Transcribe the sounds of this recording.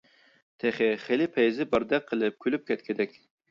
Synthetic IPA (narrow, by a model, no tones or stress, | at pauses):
t̪ʰɛχɪχelɪpʰɛjzɪbɑɾd̪ɛk̚qʰːəlˠɨp̚kʲʰølyp̚kʲɛt̪̚kʲʰɪd̪ɛkʲ